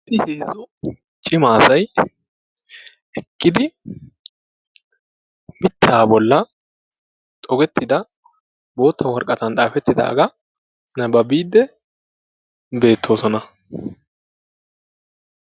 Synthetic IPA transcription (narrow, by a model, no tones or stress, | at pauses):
sːɪheːzɔ | t͡ʃʼɪmaːsɐj | ɛkʼːɪd̪ɪ | mɪt̪ʰːaːbɔlːɐ | t̪ʼɔɡɛt̪ːɪd̪ɐ | bo̞ːt̪ʰːɐwɔɾkʼɐt̪ɐnt̪ʼaːfɛt̪ːɪd̪a̰ːɡɐ | nɐbɐbiːd̪ːɛ | be̞ːt̪ʰːo̞ːsɔnɐ